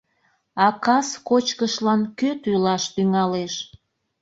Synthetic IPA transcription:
ɑkɑskot͡ɕkəʃlɑnkøt̪ylɑʃt̪yŋɑleʃ

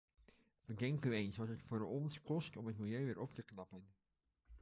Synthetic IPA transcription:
ʋəɡɛŋkyejnsʋɑtɦətfʊːɹɔnskɔstɔmɦətmilˠjøɥʋɪːɹʔɔptəknɑpən

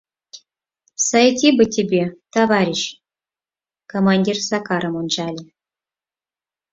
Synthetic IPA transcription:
sajetʲibɘ̆tʲebʲet̪ɑvɑɾʲiɕ | komanʲdʲirsɑkɑɾəmonʒɑlʲe

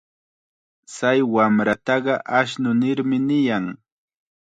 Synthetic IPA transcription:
t͡sajwamɾat̪ɑɢɑʔaʃ̬nʊnɪɾmɪnɪjaŋ

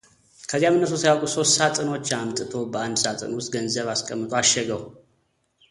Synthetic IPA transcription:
kʰəzːijamɨnːəs̬usəjawkʼuso̞sːat̪ʼɨno̞t͡ʃːamt̪ʼɨt̪ʰo̞bəand̪sat̪ʼɨ̰nwʊst̪ɡənzəβaskʼəmːɨt̪ʼoaʃːɛɡəw

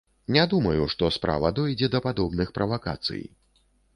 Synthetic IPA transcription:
nʲɛd̪umɐjuʂt̪ɔspɾa̰vɐd̪ɔjd͡zʲɛd̪ɐpad̪ɔbnɨxpɾʔɐvaka̰t̪sɨ̰j

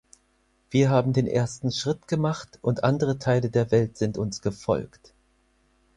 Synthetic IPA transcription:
v̥iːɐɦaːbm̩deːnʔḛːɐstn̩ʃʁ̥ɪtɡ̥əmaχtʔʊntʔandəʁətʰaɪlədeːɐvɛltz̥ɪntʊnsɡ̥əfɔ̰lkt

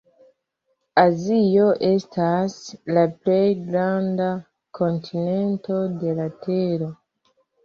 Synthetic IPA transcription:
azijo̞ʔe̞staslaple̞jɡɾanda | kʰo̞ntʰine̞nto̞de̞late̞ɾo̞

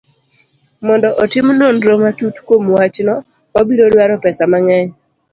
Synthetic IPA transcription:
mɔndɔʔɔtɪmnonɾomatutkomwat͡ʃnɔ | wabiɾodwaɾɔpɛsamaŋɛɲ

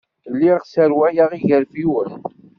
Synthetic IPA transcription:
lːiʁʁsəɾwæjaʁiʝəɾfiwən

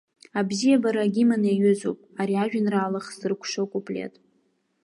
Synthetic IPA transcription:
abzijabaɾaɡʲimaneɥʏzo̰pʼaɾiaʒᶣanraːlaχzɨrkʷʰʂokʷʼupʼlʲḛtʼ

